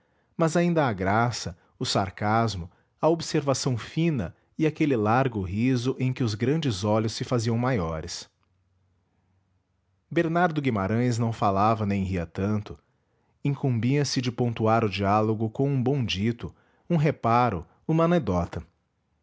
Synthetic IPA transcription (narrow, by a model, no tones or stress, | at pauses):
mɐzaĩnd̪ɐːɡɾasɐ | ʊsaɾkazmʊ | ɐobseɾvasɐ̃w̃fĩnɐ | ɪakelɪlaɾɡʊɦizʊʔẽj̃kɪʊzɡɾɐ̃nd͡ʒɪzɔlʊsːɪfaziɐ̃w̃majɔɾɪs | beɾnaɾd̪ʊɡimaɾɐ̃j̃znɐ̃w̃falavɐnẽj̃ɦiɐt̪ɐ̃nt̪ʊ | ĩŋkũmbĩɐsɪd͡ʒɪpõnt̪uaɾʊd͡ʒialoɡʊkõw̃ũbõw̃d͡ʒit̪ʊ | ũɦepaɾʊ̰ | ũmɐaned̪ɔt̪ɐ